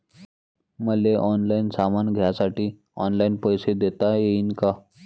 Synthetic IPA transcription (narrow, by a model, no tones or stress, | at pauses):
məleʔɔnlainsamanɡʱjasaʈiː | ɔnlainpəjsed̪et̪ajeinka